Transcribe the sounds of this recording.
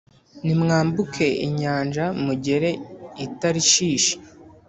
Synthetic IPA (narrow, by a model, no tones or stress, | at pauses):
nimŋaːmbukʰe̞ḭɲaːnʒamuɟe̞ɾe̞itaɾiʃiːʃe̥